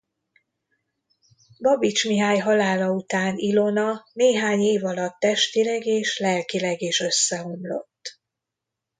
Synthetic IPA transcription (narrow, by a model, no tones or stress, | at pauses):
bɒbit͡ʃmiɦaːjɦɒlaːlɒut̪aːnilo̞nɒneːɦaːɲeːvɒlɒt̪ːɛʃt̪ilɛɡeːʃlɛlkilɛɡeːʃø̞sːɛɦo̞mlo̞̰t̪ː